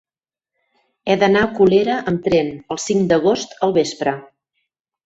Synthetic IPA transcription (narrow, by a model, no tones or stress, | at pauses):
ɛðənaəkuleɾəʔəmt̪ɾɛnəlˠsiŋd̪əɣ̞ost̪əlˠβespɾə